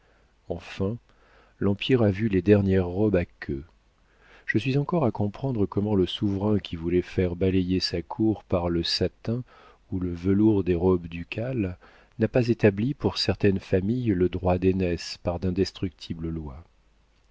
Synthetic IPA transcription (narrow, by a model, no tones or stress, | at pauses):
ɑ̃fɛ̃ | lɑ̃pʰiʁavyled̪ɛʁnjɛʁːɔbakʰø | ʒ̥əsɥizɑ̃kɔʁakɔ̃pχɑ̃d̪ʁəkɔmɑ̃ləsuvʁɛ̃kʲʰivulɛfɛʁbalejesakʰuʁpaʁləsat̪ɛ̃ | uləvəluʁd̪eʁɔbd̪ykʰal | napazet̪ablipuʁsɛʁt̪ɛnfamijləd̪ʁwad̪enɛspaʁd̪ɛ̃d̪ɛst̪χyk̚t̪ʰibləlwa